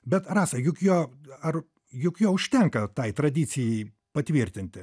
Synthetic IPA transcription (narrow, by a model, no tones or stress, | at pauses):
bʲɛt̪rɑːsɐjʊkjoːɐr | jʊkjoːʊʃʲt̪ʲɛŋkɐt̪ɐɪt̪ɾɐd̪ʲiːt͡ssʲɪjɛɪ | pɐt̪ʲʋʲiɾʲt̪ʲɪnʲt̪ʲɪ